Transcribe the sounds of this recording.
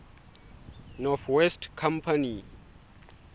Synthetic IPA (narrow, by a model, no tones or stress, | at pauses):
nɔθwɛstkʰãmpʰani